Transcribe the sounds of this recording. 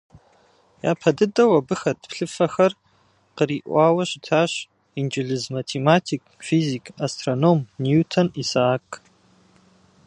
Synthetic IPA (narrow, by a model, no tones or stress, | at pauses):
ja̰ːpʰɐdɨdɐwɐbɨxɐtʰpʰɬɨfɐxɐr | qəriʔʷaːwɐɕitʰaːɕ | ind͡ʒɪɮɨzmatʰematʰikʰʼfizikʰastʰronomnjutʰɐnisaːkʼ